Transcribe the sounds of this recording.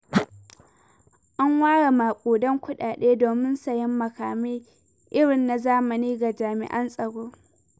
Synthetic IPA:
ʔa˦ŋwaː˦ɽa˨maː˨kʷʼoː˨dɔ˦ŋkʷʊ˦ɗaː˨ɗeː˦doː˨mɪ˦nsɐ˨jɪ˦mːɐ˨kaː˨mi˦ | ʔɪ˦ɽɪ˨nːa˨zaː˦mɐ˨niː˦ɡa˨d͡ʒaː˨mɪ̰˨ʔɐ˦nsʼɐ˨ɽoː˦

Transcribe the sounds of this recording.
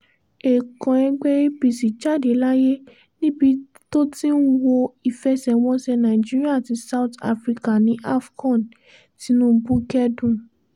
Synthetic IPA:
e˨kɔ̃˨ɛ˧ɡ͡bɛ˦ɾe˦bi˧si˨t͡ʃa˦˨de˨˦la˦je˦ | nĩ˦bi˧ | to˦tĩ˦n̩˦wo˧i˨fɛ˧˦sɛ˨wɔ̃˧sɛ˧nã˨i˨d͡ʒi˦ɾi˦a˦˨ti˨˧˦sa˦u˦ta̰˧fɾi˧ka˨nĩ˨˦ʔa˦fkɔ̃˦˨n | ti˧˦nũ˦bu˦kɛ˦dũ˦˨

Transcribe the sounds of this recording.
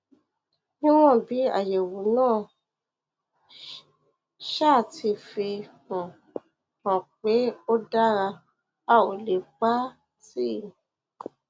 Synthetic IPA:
nĩ˦w̃ɔ̃˦˨bi˨˦a̰˦˨je˨wu˨nãː˦˨ | ʃa˦˨ti˧fe˧kɔ̃˨ | kɔ̃˨k͡pe˨˦o˦da˦ɾa˧ | a˦˨o˨le˨k͡pa˦ | ti˦˨

